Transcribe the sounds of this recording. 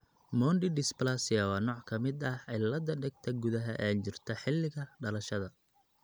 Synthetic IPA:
mɔnɖɪɖɪsplasɪjɐwɑːnɔːʕkʰɐmɪd̪ɐʕɪlɐd̪ɐɖɛɡ̚t̪ʰɐɡʊðɐɦɐ̰ʔaːt͡ʃɪrt̪ʰɐħɪlːɪɣɐɖɐlɐʃɐðɐ

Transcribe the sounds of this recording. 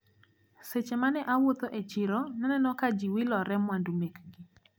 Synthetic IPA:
set͡ʃemanɛʔawot̪oʔet͡ʃɪɾɔnɛnɛnɔkad͡ʒiwɪlɔɾɛmwandumekɡi

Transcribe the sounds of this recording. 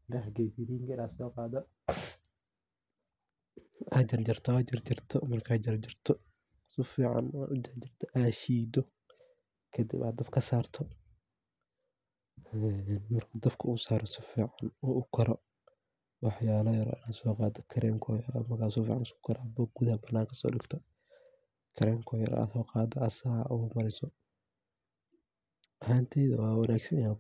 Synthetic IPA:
dɐħɡɛjbiɾiːŋkɐɪnaːsɔːqɑːd̪ɐ | ʔad͡ʒɐrd͡ʒɪrt̪ʰɔaːd͡ʒɪrd͡ʒɪrt̪ʰɔmɐrkʰaːd͡ʒɪɾd͡ʒɪrt̪ʰɔ | sɪfiːʕɑ̰naʊd͡ʒɐɾd͡ʒɪrt̪ʰɐʔaːʃiːd̪ɔ | kʰɐd̪ḭba̰ːd̪ɐbkʰɐsaːrt̪ʰɔ | ɛnmɐrkʰɐd̪ɐbkʰɐʊsaːɾɔsɪfiːʕɑnɔʔʊkʰɐɾɔ | wɑħjaːlɐjɐɾɔ̰ːʔɪnaːsɔːqɑːd̪ɔkʰɐɾɛmkʰɔjɐɾɔɐmɐɣaːsɔfḭːʕansɔ̥kʰɐɾɐbɔːɡuðhɐbɐnːaːŋkʰɐsɔ̰ːɗɪɡt̪ʰɔ | kʰɐɾɛːmkʰɔːjɐ̰ɾ̰a̰ːsɔːqɑːd̪ɔɐsaːʔɔmɐɾɪsɔ | ʔɐhaːnt̪ʰɛðɐwɑːwɑnaːɡsɐnja

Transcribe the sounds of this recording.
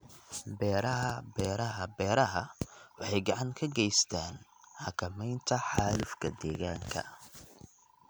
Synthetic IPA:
bɛːɾɐɦɐbɛːɾɐɦɐbɛːɾɐɦɐwɑħɑjɡɑʕɑŋkʰɐɡɛjst̪ʰaːnħɑkʰɐmɛjnt̪ʰɐħɑːlʊfkʰɐd̪ɛːɣaːŋkʰɐ̰

